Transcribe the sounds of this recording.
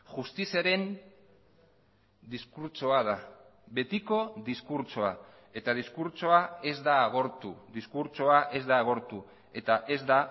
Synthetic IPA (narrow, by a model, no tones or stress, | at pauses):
ʝust̪isiaɾe̞n | d̪iskuɾt͡ʃo̞aðaβe̞t̪iko̞ðiskuɾt͡ʃo̞a | e̞t̪aðiskuɾt͡ʃo̞ae̞zd̪aːɣ̞o̞ɾt̪uðiskuɾt͡ʃo̞aʔe̞zd̪aːɣ̞o̞ɾt̪u | e̞t̪aʔe̞zd̪a